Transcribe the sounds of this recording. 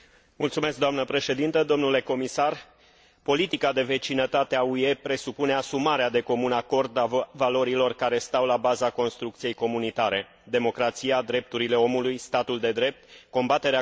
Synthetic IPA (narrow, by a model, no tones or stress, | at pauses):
mult̪sume̞sk̚d̪oamnəpɾe̞ʃe̞d̪int̪əd̪o̞mnule̞ko̞misar | po̞lit̪ikad̪e̞ve̞t͡ʃinət̪at̪eaue̞pɾe̞supune̞asumaɾead̪e̞ko̞munako̞rd̪avalo̞ɾilo̞rkaɾe̞st̪awlabazako̞nst̪ɾuk̚t̪sije̞jko̞munit̪aɾe̞ | d̪e̞mo̞kɾat̪sijad̪ɾe̞p̚t̪uɾile̞o̞mulujst̪at̪uld̪e̞d̪ɾe̞p̚t̪ko̞mbat̪e̞ɾea